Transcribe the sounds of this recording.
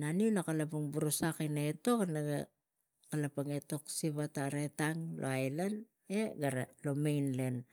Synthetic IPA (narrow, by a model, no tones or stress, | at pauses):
naniunakalapuŋbuɾusakinaeto̞knaɡa | kalapaŋe̞to̞ksiβataɾe̞taŋlʔo̰ajlan | e̞ɡaɾalo̞mejnle̞n